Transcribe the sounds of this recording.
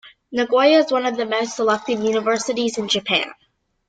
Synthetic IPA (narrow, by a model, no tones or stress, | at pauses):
nɨɡɔɪɨɨzwʌ̃nʌvðɨmoʊstsəlɛk̚tɨvjʉnəvɜ˞sɨɾizɨ̃nd͡ʒɨpʰæ̰̃n